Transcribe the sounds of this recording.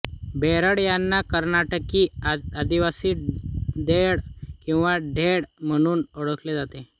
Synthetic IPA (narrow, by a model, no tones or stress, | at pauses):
beɾəɽjanːakəɾnaʈəkiːad̪iʋasiːd̪eɽkĩw̃ʋaɖʱeɽm̤əɽ̃uːnɔɽəkled͡zat̪e